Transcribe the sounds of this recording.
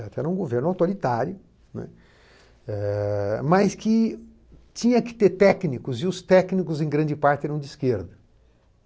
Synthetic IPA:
ɛt̪ʊɛ̰ɾɐũɡoveɾnawt̪oɾit̪aɾjʊ | nɛ̰̃ | ɛmɐskɪ | t͡ʃĩɲɐkɪ̥t̪eɾt̪ɛknikʊzɪʊst̪ɛknikʊzẽj̃ɡɾɐ̃nd͡ʒɪpaɾt͡ʃɪɛɾɐ̃w̃d͡ʒ̪ɪskeɾd̪ɐ

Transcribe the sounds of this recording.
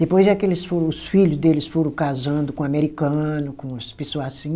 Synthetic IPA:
d̪epojzd͡ʒakelɪsfoɾɐ̃ʊsfiʎʊzd̪elɪsfoɾɐ̃w̃kazɐ̃nd̪ʊkõameɾikɐ̃nʊkõspesoasĩ

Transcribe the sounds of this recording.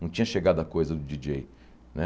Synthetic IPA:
nɐ̃w̃t͡ʃĩɲɐʃeɡad̪ʊɐkojzɐd̪ʊd͡ʒid͡ʒej | nɛ

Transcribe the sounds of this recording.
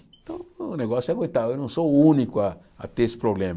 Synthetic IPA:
t̪õnẽɡosakʷet̪ainũsounĩkʷa | a̰t̪espɾoblẽm

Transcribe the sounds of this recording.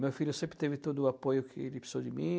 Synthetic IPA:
mewfiʎʊsẽmpɾɪ̥t̪evɪt̪od̪ʊapojʊkʰɪelɪpe̥sowd͡ʒɪmḭ̃

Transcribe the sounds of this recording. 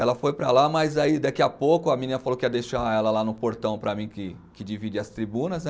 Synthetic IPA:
ɛlɐfojpɾɐlamɐjzaid̪akiɐpokʊɐmĩnĩnɐfalokɪɛd̪ejʃaɛlɐlanʊpoɾt̪ɐ̃w̃pɾɐmĩkɪ | kɪd͡ʒivid͡ʒiɐst̪ɾibũnɐzn

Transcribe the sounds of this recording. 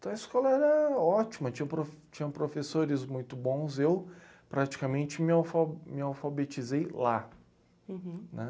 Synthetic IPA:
t̪ɐ̃w̃ɐiskɔlɐɛɾɐɔt͡ʃimɐt͡ʃĩɲɐ̃pɾoft͡ʃĩɲɐ̃pɾofesoɾɪzmũj̃t̪ʊbõw̃zew | pɾat͡ʃi̥kamẽnt͡ʃɪmɪawfamɪawfabet͡ʃizejla | nɛ̰

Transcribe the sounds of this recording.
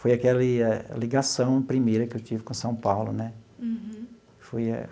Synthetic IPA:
fojakɛlɪaliɡasɐ̃w̃pɾimejɾɐkɪewt͡ʃivɪkõsɐ̃w̃pawlʊ̰nɛ | fojɐ̰

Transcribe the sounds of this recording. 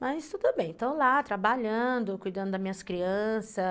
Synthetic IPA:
mɐst̪ud̪ʊbẽj̃t̪owlat̪ɾabaʎɐ̃d̪ʊkujd̪ɐ̃nd̪ʊd̪ɐmĩɲɐskɾiɐ̃sɐ

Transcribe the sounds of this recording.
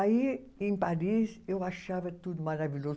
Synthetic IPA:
aiẽŋpaɾisewaʃavɐt̪ud̪umaɾaviʎʲo

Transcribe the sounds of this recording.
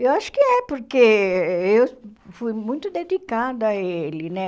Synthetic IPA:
ewaʃʊ̥kɪɛpoɾkeewfujmũj̃t̪ʊd̪ed̪ikad̪ɐɐelɪnɛ

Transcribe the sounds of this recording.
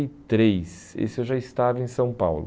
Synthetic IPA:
jt̪ɾejs | ḛsɪewʒaist̪avɐẽsɐ̃w̃pa̰wlʊ̰

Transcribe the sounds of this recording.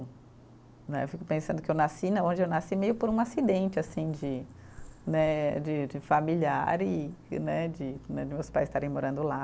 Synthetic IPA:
nɛ̰efikʊpẽsɐ̃nd̪ʊkɪewnasinɐõd͡ʒɪewnasimejʊpoɾũasid̪ẽnt͡ʃɪasĩd͡ʒɪ | nɛd͡ʒɪd͡ʒɪfamilia̰ɾɪnɛd͡ʒɪnɛd͡ʒɪmewspajst̪aɾẽj̃moɾɐ̃d̪ʊla

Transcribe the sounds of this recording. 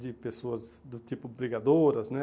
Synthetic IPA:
d͡ʒɪpesoɐzd̪ʊt̪ipʊbɾiɡad̪oɾɐznɛ

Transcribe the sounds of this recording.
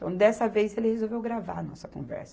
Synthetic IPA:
t̪ɐ̃w̃d̪ɛsɐvejzelɪhezowvewɡɾavaɐnɔ̰sɐkõ̰vɛ̰ɾsɐ

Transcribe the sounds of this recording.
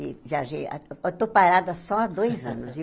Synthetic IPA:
iʒaʒea̰et̪opaɾad̪ɐsɔad̪ojzɐ̰̃nʊsi

